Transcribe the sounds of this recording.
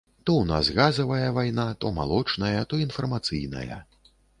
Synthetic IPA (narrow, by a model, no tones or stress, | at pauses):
t̪ɔwna̰sɣazɐvɐjɐvajnat̪ɔma̰lˠɔt͡ʂnɐjɐt̪ɔinfɐrmat̪sɨjnɐ̰jɐ̰